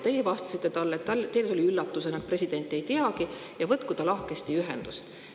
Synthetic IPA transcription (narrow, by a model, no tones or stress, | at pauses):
t̪e̞jevɑst̪ɑ̥sit̪ːe̞t̪ɑlːet̪ːɑlt̪eleolʲiylːɑt̪ːusenɑk̪̚pre̞sʲid̥̪e̞nʲt̪ːˑe̞jt̪iɑki | jɑvɤt̪kud̪̥ɑlɑhke̞st̪iyɦɛnd̪̥ust̪